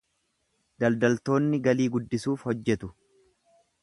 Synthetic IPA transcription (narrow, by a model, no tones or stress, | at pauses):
d̪ɐld̪ɐlt̪o̞ːnːɪɡɐliːɡʊd̪ːɪsuːfhɔd͡ʒːɛt̪ʊ